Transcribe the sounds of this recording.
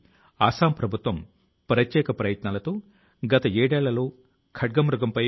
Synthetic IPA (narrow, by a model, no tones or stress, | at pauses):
aːsaːmpɾɐbʱut̪ʋɐm | pɾɐt̪jɛːkɐpɾɐjɐt̪naːlɐt̪oː | ɡɐt̪ɐeːɽeːɭːɐloː | kʰɐʈ̚ɡɐmɾuɡɐmpɐj